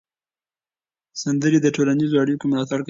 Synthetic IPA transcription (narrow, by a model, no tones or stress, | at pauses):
sand̪əɾid̪əʈolanizoɑɽijokemʊlɑt̪aɽk